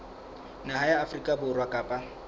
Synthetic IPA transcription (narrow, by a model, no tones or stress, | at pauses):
naɦajaːfrikʼabʊrwakʼaːpʼa